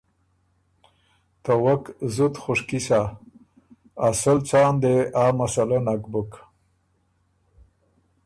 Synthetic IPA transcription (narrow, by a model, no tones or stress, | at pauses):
t̪awakzut̪xʊʂkisa | səlt͡saːnd̪eaːmasalanakbuk